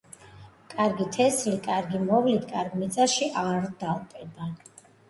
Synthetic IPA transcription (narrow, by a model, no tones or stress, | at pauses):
kʼaɾɡit̪ʰɛslikʼaɾɡimɔvlit̪ʰkʼaɾɡmit̪sʼaʃiʔaɾd̪̥alˠpʼɛb̪a